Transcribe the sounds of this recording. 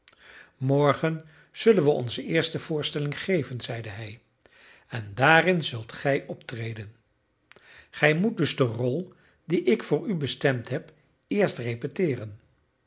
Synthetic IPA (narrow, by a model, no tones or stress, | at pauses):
mɔɹχən | z̥ɵlənʋəɔ̰nzəɪːɹstəv̥ʊːɹstɛlɪŋχejvənzɛjdəɦɛj | ɛndaːrɪnzɵlˠtχɛjʔɔptrejdən | χɛjmut̚dɵzdərɔlˠ | diʔɪkfʊːɹybəstɛmtɦɛp | ɪːɹstrepɛtɪːrən